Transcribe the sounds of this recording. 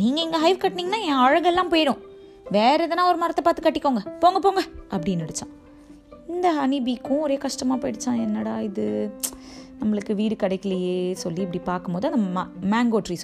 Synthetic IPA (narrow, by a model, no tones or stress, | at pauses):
niːŋɡɐɪŋɡɐɦɐɪʋkɐʈːniːŋɡɐnãːẽːɔɻɐɣɐɛlːãːmpoːjɽʊ̃ | ʋeːɾɐðɐnãːɔɾɯmɐɾɐt̪ːɐpaːɾt̪ːɯkːɐʈːɪkːoːŋɡɐpoːŋɡɐpoːŋɡɐʔɐpːɐɽɪnːɐɽɯt͡ʃːãː | ɪnd̪ɐɐnɪbikːʊ̃ɔɾeːkɐʂʈɐmaːpoːjɪɽɯt͡ʃːãːɛnːɐɽaːɪðɯ | nɐmːɐɭɯkːɯʋiːɾɯkɐɽɐɪkːɪlɐjeːsɔlːiɪp̬ɐɽipaːɾkɯmpoːðɯɐnd̪ɐmɐmaːŋɡoːʈɾis